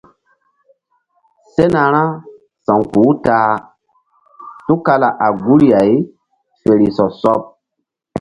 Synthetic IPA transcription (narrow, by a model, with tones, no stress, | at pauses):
se˦na˨ɾ̃ã˦ | sã˨ŋkuː˨˦taː˦ | tu˦ka˧la˨ʔa˨ɡu˦ɾi˦ja˨j | fe˨ɾi˨sɔ˨sɔ˦p̚